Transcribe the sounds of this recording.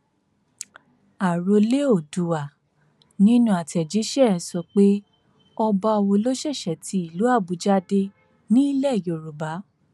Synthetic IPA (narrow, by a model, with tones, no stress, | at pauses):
a˨ɾo˧le˦o˦˨du˨wa˨ | nĩ˦nũ˦a˨tɛ˨d͡ʒi˨˦ʃɛ˦˨˦sɔ˧k͡pe˦ | ɔ˧ba˧ɔ˧wo˧lo˦ʃɛ˦˨ʃɛ˨ti˧˦i˨lu˨˦a˦˨bu˨˦d͡ʒa˦de˧ | nĩ˦i˦lɛ˦˨jo˨ɾu˨ba˨˦